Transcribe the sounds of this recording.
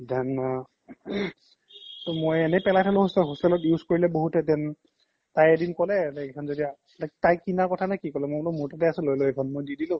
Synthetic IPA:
danːa | tɔmojɛnɛpɛlajtʰalʊ̃hɔstɛɦustɛlɔtjuzkoɹilɛboɦutɛtɛn | tajɛdinkɔlɛtɛkʰanzodija | tatajkinakɔtʰanajkikɔlɛmojlɔmuɹtatɛasɛlojlojɛkʰɔnmojdidilʊ̃

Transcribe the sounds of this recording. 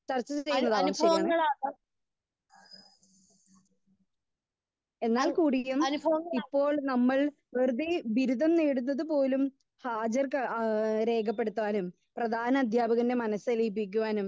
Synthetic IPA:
t͡ɕɐrt͡ɕːɐt͡ɕejjːunːɐðaːmt͡ɕeɐɡɐɭaːɐ | e̞nːaːlkuːɽijumɐnbipːo̞ːɭnɐmːɐɭ | ʋerd̪ibiɾud̪ɐmneːɽunːɐðɨpo̞ːlum | haːd͡ʑɐrkɾe̞ːkʰɐp̬ːe̞ɽut̪ːuaːnum | prɐd̪ʱaːnɐːd̪ʱjaːbɐɣɐnde̞mɐnɐsɐlijpːik̬ʲːuʋaːnum

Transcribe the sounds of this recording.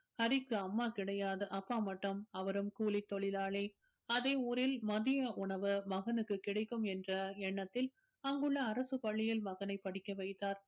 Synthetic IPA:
hɐɾɪkːɯɐmːaːkɪɽɐjaːðɐʔɐpːaːmɐʈːɐmɐʋɐɾɯmkuːlɪt̪ːɔɭɪlaːɭe | ɐðɐɪuːɾɪlmɐðɪjɐʔʊɳɐʋɯmɐɣɐnɯkːɯkɪɽɐɪkːɯmɛndrɐɛɳːɐt̪ːɪl | ɐŋɡɯɭːɐːɾɐsɯpɐɭːɪjɪlmɐɣɐnɐɪpːɐɽɪkːɐʋɐɪt̪ːaːɾ

